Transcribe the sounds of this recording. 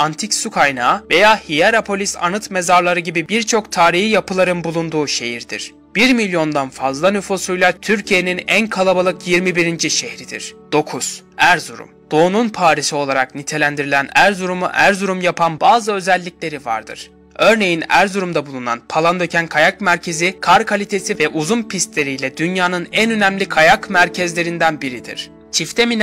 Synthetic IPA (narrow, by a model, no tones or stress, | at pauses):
ant̪ʰicsukʰajnaːve̞jaːhijaɾapʰo̞lʲisa̰nɯt̪me̞zaɾlˠaɾɯɟibibiɾt͡ʃʰo̞kt̪ʰaːɾihijapʰɯlˠaɾɯnbulˠund̪uːʃe̞jiɾd̪̥ḭɾ̥ | b̥iɾmilʲjo̞nd̪anfazlˠanyfusujlˠat̪ʰyɾcʰije̞ninænkʰalˠabalˠɯkjiɾmibiɾind͡ʒiʃehɾid̪ḭɾ̥d̪̥o̞kʰusæɾzuɾṵmd̪̥o̞ːnunpʰaːɾisio̞lˠaɾaknit̪ʰe̞lʲænd̪iɾilʲænæɾzuɾumṵʔæɾzuɾumjapʰanbaːzɯø̞zælʲːiclʲe̞ɾiva̰ɾd̪ɯ̰ɾ̥ | ø̞ɾne̞jinæɾzuɾumd̪abulˠuna̰npʰalˠand̪ø̞cʰænkʰajak̚mæɾcʰe̞zikʰaɾkʰalʲit̪ʰe̞sivɛʔuzunpʰist̪lʲe̞ɾijlʲɛd̪ynjaːnɯnænø̞næmlʲikʰajakmæɾcʰɛzlʲe̞ɾind̪ænbiɾid̪ḭɾ̥ | t͡ʃʰift̪ʰemin